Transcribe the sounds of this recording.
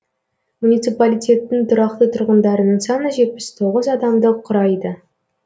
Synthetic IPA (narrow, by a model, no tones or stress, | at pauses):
munijt̪sɨpalʲijt̪ʲe̞t̪ːɪŋt̪ʰʊɾɑqt̪ət̪ʰʊɾʁənd̪ɑɾənəɴsɑnəʒe̞t̪̚pɪst̪ʰo̞ʁəzɑd̪ɑmd̪əqʰʊɾɑjd̪ə